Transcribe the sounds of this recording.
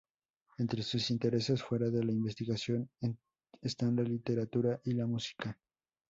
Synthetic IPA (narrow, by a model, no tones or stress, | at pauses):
e̞nt̪ɾe̞susint̪e̞ɾe̞se̞sfwe̞ɾaðe̞laimbe̞st̪iɣasjo̞n | est̪anlalit̪e̞ɾat̪uɾaʔilamusi̥ka